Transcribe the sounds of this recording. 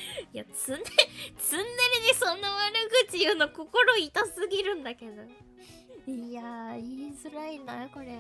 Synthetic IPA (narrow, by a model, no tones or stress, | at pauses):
ijat͡sɨnːet͡sɨ̃nːeɾid̪esonːoβaɾɯɡɯ̟t̪ːijɯːnoko̞ko̞ɾo̞it̪asɨɡʲiɾɯ̟̃nd̪ake̞d̪o̞ | iaiːzɨɾainako̞ɾe